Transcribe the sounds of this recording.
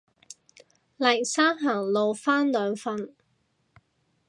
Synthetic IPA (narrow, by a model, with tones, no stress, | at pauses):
lɐ˨˩jsaː˥ŋɦaː˨˩ŋlo˨˧wfaː˥nlœː˨˧ŋfɐ˧n